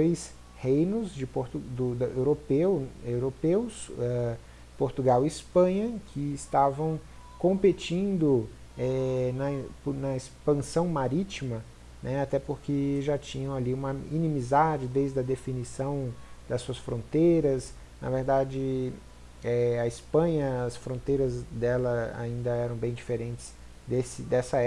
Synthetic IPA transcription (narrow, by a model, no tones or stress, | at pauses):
ojs | hejnʊzd͡ʒɪpoɾt̪ud̪ʊd̪ewɾopewewɾopewsɛ | poɾt̪uɡawiispɐ̃ɲɐkʰɪːst̪avɐ̃w̃ | kõpet͡ʃĩnd̪ʊ | ɛnɐpnɐespɐ̃sɐ̃w̃maɾit͡ʃimɐ | nɛat̪ɛpoɾkɪʒat͡ʃĩɲɐ̃w̃aliũmɐminĩmizad͡ʒɪd̪ejzd̪ɐd̪efinisɐ̃w̃d̪ɐsuɐsfɾõnt̪ejɾɐs | nɐ̰veɾd̪ad͡ʒɪ | ɛɐispɐ̃ɲɐɐsfɾõnt̪ejɾɐzd̪ɛlɐa̰ĩnd̪ɐɛɾɐ̃w̃bẽj̃d͡ʒifeɾẽnt͡ʃɪ̥z̥ | d̪esɪd̪ɛsɐɛ